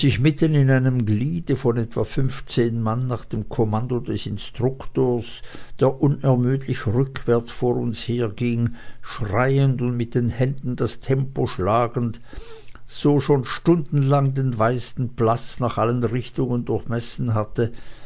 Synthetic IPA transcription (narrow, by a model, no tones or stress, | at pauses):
z̥ɪçmɪtənɪnaɪnəmɡliːdəfɔnɛtv̥afʏnft͡seːnmanːaːχd̥eːmkʰɔmandodɛsɪnstʁ̥ʊktoːɐsd̥eːɐʔʊnɛɐmyːtʰlɪçʁʏkʰv̥ɛɐt͡sfoːʊnsheːɐɡiŋʃʁaɪəntʊntmɪt̚d̥eːnhɛndn̩dastʰɛmpoʃlaːɡən̩t | z̥oːʃoːnʃtʊndn̩laŋdeːnvaɪsn̩pl̥at͡snaːχʔalənʁɪçtʊŋəndʊɐçmɛsn̩ɦatə